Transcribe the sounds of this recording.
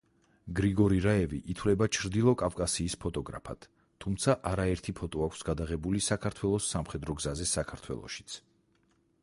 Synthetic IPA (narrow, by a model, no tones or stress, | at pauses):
ɡɾiɡɔɾiɾaɛviʔit̪ʰwlɛbat͡ʃʰɾd̪ilˠɔkʼafkʼasiːspʰɔt̪ʼɔɡɾa̰pʰa̰d̪̥ʰː | umt̪sʰaʔaɾaɛɾt̪ʰipʰɔt̪ʼɔakʷʰsɡad̪aʁɛbulisakʰaɾt̪ʰwɛlˠɔsːamχɛd̪ɾɔɡzazɛsakʰaɾt̪ʰwɛ̰lˠɔ̰ʃi̥t̪sʰ